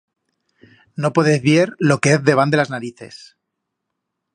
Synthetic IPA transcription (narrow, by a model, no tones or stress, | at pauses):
no̞po̞ðeθβje̞ɾlo̞keeθðe̞β̞and̪e̞laznaɾiθe̞̰s